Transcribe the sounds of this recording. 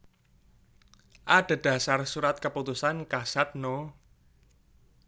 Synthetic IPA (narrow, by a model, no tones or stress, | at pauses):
ʔad̥a̤d̥ä̤sarsuɾat̪̚kəput̪usankasat̪̚no